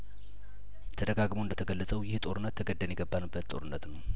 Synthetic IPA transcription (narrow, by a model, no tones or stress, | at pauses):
t̪ʰəd̪əɡaɡmoɨnd̪ət̪ʰəɡəlːət͡sʼəwjɪht̪ʼo̞ɾɨnːət̪ʰːəɡəd̪ːənjɪɡəbːanɨbːət̪t̪ʼo̞̰ɾɨnːət̪nəw